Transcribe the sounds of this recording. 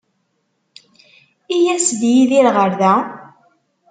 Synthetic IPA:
ijæsd̪jiðiɾʁəɾðæ

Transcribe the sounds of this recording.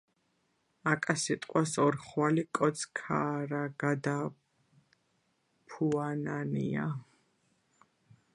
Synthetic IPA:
akʼasit̪ʼqʼwasɔɾχwalikʼɔt̪sʰkʰaːɾaɡ̥ad̪a | pʰuananḭa

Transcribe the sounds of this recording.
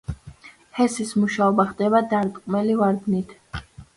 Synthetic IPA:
hɛsismuʃaɔbaχd̪ɛβad̪aɾt̪ʼqʼmɛlivaɾd̪nit̪ʰ

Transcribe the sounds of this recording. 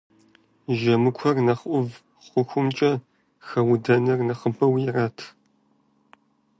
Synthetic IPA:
ʒɐmɨkʷʰɔrnɐχʷʊv | χʷʊxʷʊmt͡ʃʼɐ | xɐwdɐnɐrnɐχəbʰɐwjɪraːtʰ

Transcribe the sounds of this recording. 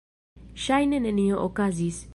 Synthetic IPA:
ʃajnenenioʔokazis

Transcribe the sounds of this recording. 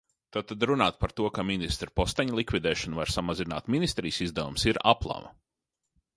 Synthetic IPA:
t̪at̪ad̪ɾunaːt̪̚paɾt̪uɔkaminist̪ɾpost̪ɛɲlˠikvʲid̪ɛːʃanvaɾsamazina̰ːt̪minist̪ɾiːsizd̪avumsiɾaplˠa̰mɐ̰

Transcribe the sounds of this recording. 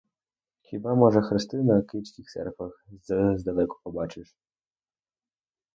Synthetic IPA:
xʲibamɔʐɛxɾest̪ɪnɐkʲɪsʲkʲixsɛ̰rkvɐxzzd̪ɐlɛkʊ̥pɔbɑt͡ʃɪʂ

